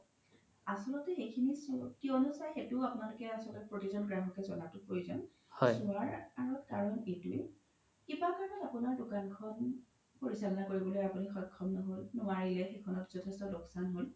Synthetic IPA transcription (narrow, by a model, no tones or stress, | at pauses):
asɔlɔtɛxejkʰinisɔkiɔnɔsajxetʊapʊnalʊkɛasɔlɔt̚pɹotizɔnɡɹaɦɔkɛzɔnatʊpɹojuzɔ̰n | hɔjsuaɹaɹɔtkaɹɔnetuj | kibakaɹnɔtapunaɹdukankʰɔn | poɹisalɔnakoɹibɔlojapunixɔjkʰːɔmnɔɦolnuaɹilɛxekʰɔnɔtz̥ɔtʰestɔlʊksanɦol